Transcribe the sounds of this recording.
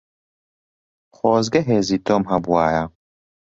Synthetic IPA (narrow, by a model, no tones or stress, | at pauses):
χoːzɡɐɦeːziːt̪ɔmɦɐbuaːja